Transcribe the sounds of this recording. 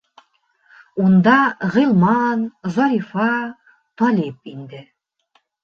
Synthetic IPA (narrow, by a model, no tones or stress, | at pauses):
und̪ɑʁɤ̆lˠmɑnzɑɾʲifɑ | t̪ɒlʲip̚ind̪ɘ